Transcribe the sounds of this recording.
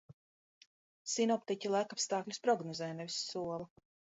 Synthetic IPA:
sinɔpt̪icʲilˠajkapst̪ɑːklʲuspɾɔɡnɔzɛːnɛvʲisːuɔlˠa

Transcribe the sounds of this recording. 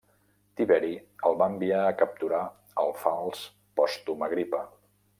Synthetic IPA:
t̪iβɛɾiəlˠβaəmbiaəkəp̚t̪uɾa | əlˠfalˠs | pɔst̪uməɣɾipə

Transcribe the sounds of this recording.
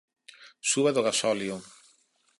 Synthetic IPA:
suβaðoɣasɔljo

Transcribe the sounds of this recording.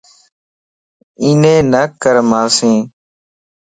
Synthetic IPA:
iːnẽːnəkəɾmãːsĩː

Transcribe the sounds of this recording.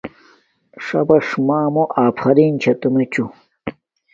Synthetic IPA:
ʂɐbɐʂmaːmoʔaːpʰɐɾiːnt͡ɕʰɐt̪umet͡ɕu

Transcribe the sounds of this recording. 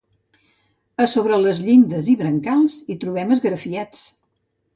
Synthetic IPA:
əsoβɾələzʎind̪əziβɾəŋkalˠzit̪ɾuβ̞ɛməzɣɾəfiat͡s

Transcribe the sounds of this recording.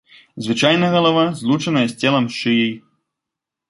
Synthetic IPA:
zvɨt͡ʂajnɐɣɐlˠavazlˠut͡ʂɐnɐjɐsʲt͡sʲɛlˠɐmʂʂɨjij

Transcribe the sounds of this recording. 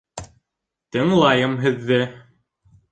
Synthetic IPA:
t̪ɘ̆ŋlˠɑjɤmɦɘ̆ðːɘ

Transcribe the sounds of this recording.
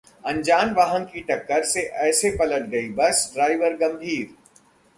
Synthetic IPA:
ɐ̃ɲd͡ʒaːnʋaːɦə̃nkiʈɐkːəɾseʔɛːsepɐləʈ̪̚ɡɐibɐsɖɾaːɪʋəɾɡɐ̃mbʱiːɾ

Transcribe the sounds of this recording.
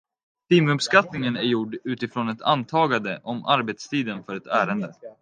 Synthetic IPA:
t̪iːmɵpskat̪nɪŋənæɾjʊɖʉ̟ːt̪ɪfɾoːnɛt̪ʰa̰nt̪ʰɑːɡand̪əʔɔmʔa̰ɾbet̪st̪ʰiːd̪ənfœɾɛt̪æːɾənd̪ə

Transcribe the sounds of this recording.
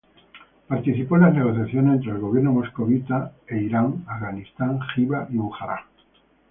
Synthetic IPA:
paɾt̪iθipo̞enlazne̞ɣo̞θjaθjonesent̪ɾelɣo̞βje̞ɾnomoskoβit̪aeiɾaŋafɣanist̪aŋxiβaʔiβuxaɾa̰

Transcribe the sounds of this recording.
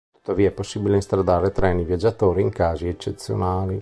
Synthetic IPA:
t̪u̥t̪ːaviːaɛpːosːibileist̪ɾad̪aːɾet̪ɾɛːnivjad͡ʒːat̪oːɾiːŋkaːziet͡ʃːet̪sːjo̰naːli

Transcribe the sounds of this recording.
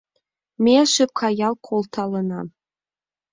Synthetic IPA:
mʲeʃɘkʷʰɑjɑlˠkʷʰolˠt̪ʰɑlənɑ̰

